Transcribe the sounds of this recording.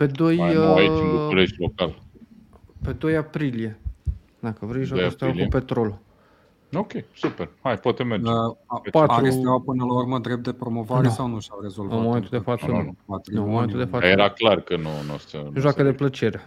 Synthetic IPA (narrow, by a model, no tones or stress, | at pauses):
pe̞d̪o̞jaiuuleʃlokal | pe̞d̪o̞japɾilije̞ | d̪akəvɾejʒwaost̪awlkiupe̞t̪ɾo̞lo | okʲejsuperhajpoat̪emeɾd͡ʒpat̪ɾust̪awpɨnəlauɾməd̪ɾep̚t̪epɾo̞mo̞vaɾesawnuʃawɾe̞zolvnmo̞met̪ud̪efat̪səat̪ɾonmoment̪ud̪efajeɾaklarkənonast̪ənʒwakəd̪e̞plət͡ʃe̞ɾe